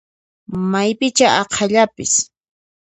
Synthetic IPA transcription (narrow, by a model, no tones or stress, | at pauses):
majpɪt͡ʃaʔɑqʰaʎapɪ̰s